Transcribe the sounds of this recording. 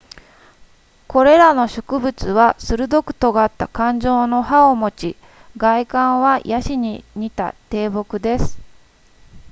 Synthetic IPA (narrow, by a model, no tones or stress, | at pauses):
ko̞ɾe̞ɾano̞ɕo̞̥kɯ̟bɯ̟t͡sɨβasɨɾɯ̟d̪o̞kɯ̟̥t̪o̞ɡaːt̪ːakãɲ̟d͡ʑo̞ːno̞ɦaomo̞t͡ɕi | ɡaikãɰ̃βajʔaɕiɲ̟iɲ̟it̪a̰t̪e̞ːbo̞kɯ̟d̪e̞sɨ̥